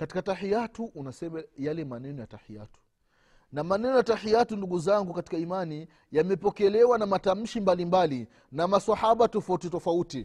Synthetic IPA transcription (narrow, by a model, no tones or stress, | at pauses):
katikatahijatuʔunasɛmajalɛmanɛnɔjatahia̰tu̥ | namanɛnɔjatahijatunduɡuzaŋɡukati̥kaimani | jamɛpɔkɛlɛwanamatam̩ʃimbalimbali | namasahaɓatɔfautitɔfauti